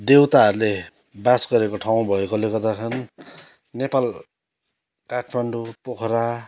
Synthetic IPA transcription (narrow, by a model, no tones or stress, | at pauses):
d̪ewt̪aɦʌɾule | basɡʌɾekoʈʰaw̃bʱʌekolekʌd̪akʰʌn | nepal | kaʈʰmaɳɖupokʰɾa